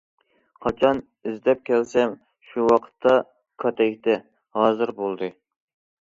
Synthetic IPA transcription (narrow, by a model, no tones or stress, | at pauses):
qʰɑt͡ʃʰɑn | yzd̪ɛp̚kʲʰɛlsɛm | ʃuwɑqʰə̥t̪ʰːɑ | kʰɑt̪ʰɛkʲt̪ɛ | hɑːzɨɾbolˠd̪ɨ